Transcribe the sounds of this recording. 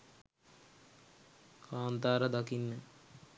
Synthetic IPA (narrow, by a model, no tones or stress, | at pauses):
kaːnt̪aːɾəd̪akinːə